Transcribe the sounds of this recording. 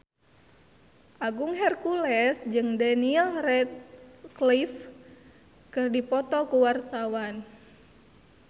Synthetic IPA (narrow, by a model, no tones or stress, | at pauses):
ʔaɡuŋɦɛrkulɛsd͡ʒɨŋdaniɛlrɛt̪̚klif | kɨrdipɔt̪ɔkuwart̪awan